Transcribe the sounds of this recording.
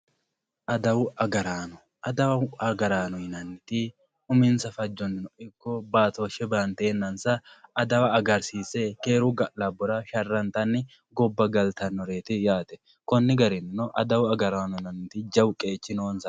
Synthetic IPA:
ʔɐd̪ɐwɐɡɐɾaːnɔ | ɐd̪ɐwɐɐɡɐɾaːnɔjnɐnːɪt̪ɪ | ʊmɪnsɐfɐd͡ʒːɔnːɪnɔʔɪkːɔbaːt̪oʃɛbaːnt̪eːnːɐnsɐːd̪ɐwɐːɡɐɾsiːseke̞ːɾʊɡɐʔlɐbɔɾɐʃɐrːɐnt̪ɐnːɪ | ɡɔbːɐɡɐlt̪ɐnːɔɾe̞ːt̪ɪjaːt̪ɛ | kɔnːɪɡɐɾɪnɪnɔʔɐ̰d̪ɐwɐɡɐɾaːnɔnɐnt̪ɪd͡ʒɐwkʼe̞ːt͡ʃːɪnoːnsɐ

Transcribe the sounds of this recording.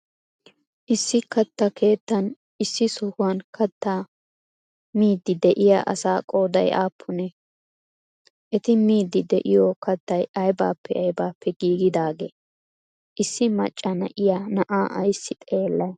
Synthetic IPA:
ʔɪsːɪkɐt̪ːɐkʰe̞ːt̪ːɐn | ɪsːɪsɔhʊwɐnkʰɐt̪ʰːa | miːd̪ːɪd̪ɛʔɪja̰ːʔɐ̰saːkʼo̞ːd̪ɐjʔa̰ːpʰːʊnɛ | ʔɛt̪ɪmiːd̪ːɪd̪ɛ̰ʔɪjɔkɐt̪ːɐjɐjba̰ːpːɛɐjbaːpːɛɡiːɡɪd̪aːɡe | ʔɪsːɪmɐ̰t͡ʃʼːɐnɐ̰ʔɪjanɐʔaːʔɐjsːɪt̪ʼe̞ːlːɐj

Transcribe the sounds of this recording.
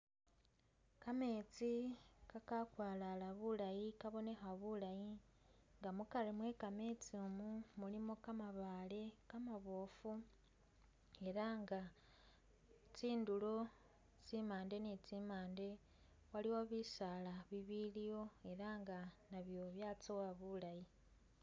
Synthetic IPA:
kame̞ːt͡sikakakwaːlalaβulajikaβo̞ne̞xaβulajiŋɡamukaɾemwe̞kame̞t͡siomumulimo̞kamaβaːle̞kamaβo̞ːfu | e̞ɾaŋɡa | t͡siːndulo̞ | t͡simaːnde̞nit͡simaːnde̞ | waliwoβisalaβiβilijo̞e̞ɾaŋɡanaβjo̞βjaːt͡sowaβulaji

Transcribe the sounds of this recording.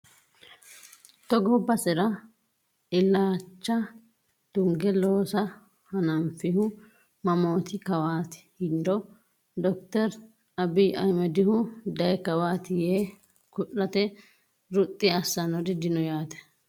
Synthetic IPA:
t̪ɔɡɔbːɐsɪɾɐ | ɪlːaːt͡ʃːɐ | d̪̥ʊŋɡɛloːsɐ | hɐnɐmfɪhʊ | mɐmo̞ːt̪ɪkɐwaːt̪ɪ̥hɪnd̪ɔ | d̪ɔk̚t̪ɛɾ | ɐbɪʔɐjmɛd̪ɪhʊd̪ɐjkɐwaːt̪ɪjeː | kʊʔːɐt̪ɛ | ɾʊt̪ʼːɪɐsːɐnɔd̪ɪd̪ɪnɔjaːt̪ɛ̥

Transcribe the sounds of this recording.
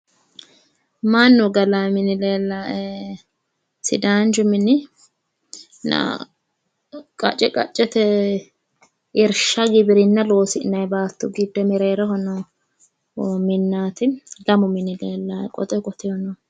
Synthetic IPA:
manːɔɡɐlamɪnɪleːlːaʔɛ | sɪ̰d̪aːnd͡ʒʊmɪnɪ | nɐ̰ | kʼɐ̰t͡ʃʼɛkʼɐt͡ʃʼːɛt̪ɛ | ɪɾʃɐɡɪbɪɾɪnːɐlo̞ːsɪʔnɐjbaːt̪ːʊɡɪd̪ːɛmɛɾeːɾɛɦɔnɔ | mɪnːaːt̪ɪlɐmʊmɪnɪleːlːakʼɔ̰t̪ʼɛkʼɔt̪ɪɔnɔ

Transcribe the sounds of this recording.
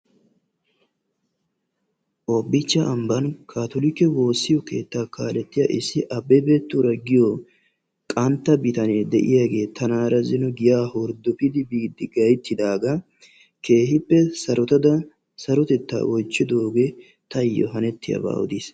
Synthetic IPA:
ʔobːɪt͡ʃːɐɐmbɐnkʰaːt̪ɔlɪkːɛwo̞ːsːɪjɔke̞̰ːt̪ːakaːlɛt̪ːɪjaʔɪsːɪʔɐbːɛbeːt̪ːʊɾɐɡɪjɔ | kʼɐnt̪ːɐbɪt̪ɐneːd̪ɛʔɪ̰jaːɡe̞ːt̪ɐnaːɾɐzɪnɔɡɪjaːhɔɾd̪ʊpɪd̪ɪbiːd̪ːɪɡɐjt̪ːɪd̪aːɡɐ | ke̞ːhɪpːɛsɐɾɔt̪ɐd̪ɐ | sɐɾɔt̪ɛt̪ːa̰ːʔɔjt͡ʃːɪd̪oːɡɛ | t̪ɐjːɔ̰ɦɐnɛt̪ːɪjɐ̰ba̰ːɔ̰d̪iːs

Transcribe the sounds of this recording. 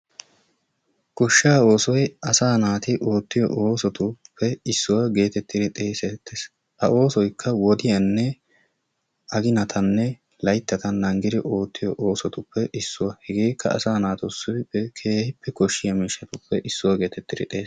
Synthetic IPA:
kɔʃːaːo̞ːsɔjɐsaːnaːt̪ɪʔo̞ːt̪ːɪjɔ̰ʔo̞ːsɔt̪ʊpʰːɛɪsːʊwɐɡe̞ːt̪ɛt̪ːɪɾɪt̪ʼe̞ːsɛt̪ːes | ʔɐʔo̞ːsɔjkʰːɐwɔd̪ɪjɐnːɛ | ɐɡɪnɐt̪ʰɐnːɛ | lɐjt̪ːɐt̪ɐnɐŋɡɪd̪ɪʔo̞ːt̪ːɪjɔʔo̞ːsɔt̪ʊpːɛʔɪsːʊwɐhɛɡe̞ːkʰːɐ̰ɐ̰saːnaːt̪ɔsːʊbɪpːɛkʰe̞ːhɪpːɛkɔʃːɪjɐmiːʃːɐt̪ʊpːɛʔɪsːʊwɐɡe̞ːt̪ɛt̪ːɪɾɪ̰t̪ʼe̞ːs

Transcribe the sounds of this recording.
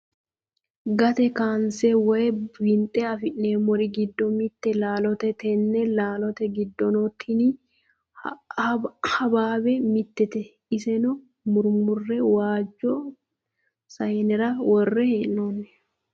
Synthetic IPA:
ɡɐt̪ɛkaːnsɛwɔjɛwɪnt̪ʼɛɐfɪʔneːmɔɾɪɡɪd̪ːɔmɪt̪ːɛlaːlɔt̪ɛt̪ɛnːɛlaːlɔt̪ɛɡɪd̪ːɔnɔt̪ʰːɪni | hɐbaːbɛmɪt̪ːɛt̪ɛ | ɪsɛnɔ | mʊɾmʊrːɛwaːd͡ʒːɔ | sɐjnɛɾɐwɔrːɛheːʔnoːnːɛ

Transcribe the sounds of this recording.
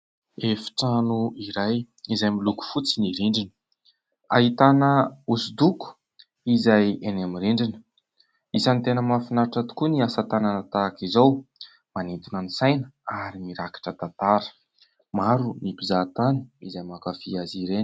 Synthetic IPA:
efi̥ʈ͡ʂanuiɾaj | izajmiluku̥fut͡siniɾiɳɖ͡ʐinə̥ | a̰ɦit̪anəusud̪uku̥ | izajenamiɾeɳɖ͡ʐinə̥ | izant̪enəmafinaɾiʈ͡ʂat̪u̥kuniasat̪ananat̪aːkizaw | manint̪unanisajnəaɾimiɾakḁʈ͡ʂət̪at̪aɾə̥ | maɾunipizaːt̪ani̥izajmakafiaziɾen

